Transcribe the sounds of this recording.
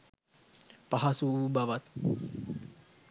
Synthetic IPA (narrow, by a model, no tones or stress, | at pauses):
paɦasubaʋat̪̚